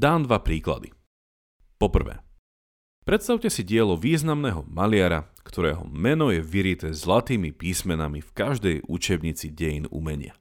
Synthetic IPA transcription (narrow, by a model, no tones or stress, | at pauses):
d̪aːnd̪ʋapɾiːkla̰d̪ḭ | pɔpr̩ʋɛ̰ː | pɾɛt̪st̪aʊcɛsiɟɪɛlɔʋiːznamnɛːɦɔmalɪaɾakt̪ʰɔɾɛ̰ːɦɔ̰mɛnɔjɛʋiɾit̪ɛːzlat̪iːmipiːsmɛnamifkaʒd̪ɛjʔut͡ʃɛbɲit͡siɟɛjinṵmɛɲɪa̰